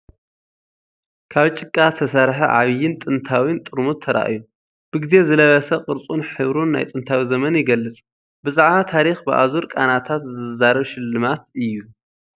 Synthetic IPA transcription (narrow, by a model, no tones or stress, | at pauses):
kʰaβt͡ʃʼɨkʼːat̪ʰɐsaɾħiʕaβɨjːɪnt̪ʼɨnt̪ʰawint̪ʼɨɾmut̪ʰɐɾa̰ʔju | b̥ɨɡize̞zɨlɐβɐsɐqʼɨɾt͡sʼunħɨβɾunːa̰jt̪ʼɨnt̪ʰawizɐmɐnjɪɡɐlːɨt͡sʼ | bɨzaʕβat̪ʰaɾixbɨʔa̰zuɾkʼanat̪ʰat̪zɨzɐzaɾɐβʃɪlːɨmat̪ɨjːu